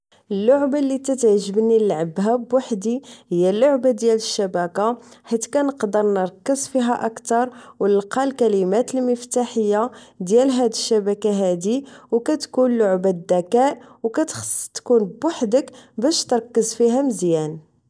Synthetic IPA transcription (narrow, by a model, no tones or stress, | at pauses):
ʔəlːʊʕbalːit̪æt̪ʕʒəbnilʕəbɦæbwaħd̪ihəjːælːoʕbad̪jæləʃːæbækaħit̪kænəqd̪əɾˤnəɾˤkːəzˤfiɦæʔəkt̪ɑɾˤwnəlqɑlkælimæt̪əlməft̪aħəjːad̪jælɦæd̪əʃːæbækaɦæd̪iwkæt̪kunlʊʕbad̪ːækæʔwkæt̪xst̪kunbwaħd̪əkbæʃt̪əɾˤkːəzfiɦæməzjæn